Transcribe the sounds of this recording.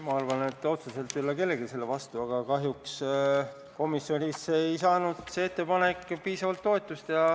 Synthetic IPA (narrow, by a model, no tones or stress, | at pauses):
mɑɑrvɑnet̪ːˑo̞t̪suse̞lt̪ːˑylːɑke̞lːe̞ɡise̞lːevɑst̪uɑɡ̥ɑkɑɦjuks | ko̞misjo̞nʲisejsɑːnud̪̥seet̪ːe̞pɑne̞kːˑpiːsɑvɑlt̪ːo̞et̪ːˑust̪jɑ